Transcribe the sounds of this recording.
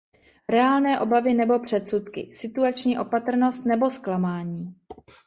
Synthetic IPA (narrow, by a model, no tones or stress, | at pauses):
ɾɛaːlnɛːʔo̞bavɪnɛbo̞pr̝̥ɛt̪sut̪kɪ̰sɪt̪uat͡ʃɲiːʔo̞pat̪r̩no̞st̪nɛbo̞sklamaːɲiː